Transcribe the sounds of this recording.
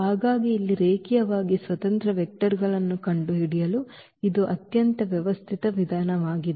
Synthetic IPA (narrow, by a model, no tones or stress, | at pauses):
aːɡaːɡiːlːiɾeːkijɐʋaːɡisʋɐt̪ɐnt̪ɾɐʋɛk̚ʈɐɾɡɐɭɐnːukɐɳɖuɦiɽijɐlu | id̪uʔɐt̪jɐnt̪ɐʋjɛʋɐst̪ʰit̪ɐʋid̪ʱaːnɐʋaːɡid̪